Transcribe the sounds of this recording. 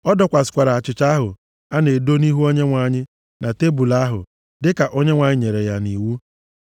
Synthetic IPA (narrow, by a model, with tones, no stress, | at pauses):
ɔ˦dɔ˨kʷa˨sɪ̥˨kʷa˨ɾa˨a˨t͡ʃɪ˨t͡ʃa˦ɦʊ˨ | a˦ne˨do˦ni˦ɦu˦o˦ɲe˦ŋʷa˨˦˨ɲɪ˦ | nʔa˨te˦bu˨la˦ɦʊ̰˨ | dɪ˦ka˨ʔo˦ɲe˦ŋʷa˨ɲɪ˦ɲe˨ɾe˨ja˦ni˨wu˦